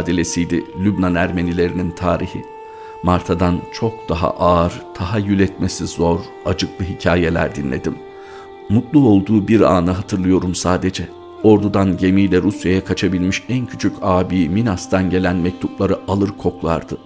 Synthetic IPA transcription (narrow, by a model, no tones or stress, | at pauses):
d̪elʲe̞sijd̪ɪlʲybnanæɾme̞nilʲe̞ɾinint̪ʰaːɾihi | maɾt̪ʰad̪ant͡ʃʰo̞k̚d̪̥aɦa̰ʔaɾt̪ʰaɦajylʲɛt̪me̞sizo̞ɾ | ad͡ʒɯklˠɯɦicʰaːje̞lʲæ̰ɾd̪inlːʲe̞̰d̪im | mut̪lˠuo̞lˠd̪uːbiɾa̰ːnɯɦat̪ʰɯɾlˠɯjo̞ɾumsaːd̪e̞d͡ʒɛ | o̞ɾd̪ud̪anɟe̞mijlʲɛɾusjajakʰat͡ʃʰabilʲmiʃæncʰy̥t͡ʃʰycʰaːbiːminast̪ʰanɟe̞lʲænmɛc̚t̪ʰuplˠaɾɯʔalˠɯɾkʰo̞klˠa̰ɾd̪ɯ